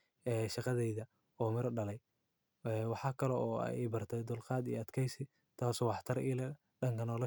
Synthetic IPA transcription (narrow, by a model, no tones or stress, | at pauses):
ɛːʃɑqɑðɛjðɐ | ɔːmɪɾɖɐlɛj | ɛwɑħɑːkʰɐlɛɔ̰ːjbɐrt̪ʰɛd̪ʊlqɑːd̪ḭjɐd̪kʰɛjsɪ | t̪ʰaːsɔwɑħt̪ʰɐɾiːlɐ | ɖɐŋkʰɐnɔːlɐ